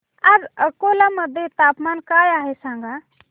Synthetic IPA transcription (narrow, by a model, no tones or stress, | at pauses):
ɐɾəkolamɐd̪et̪aːpmaːnkaːjaːɦesãːŋɡa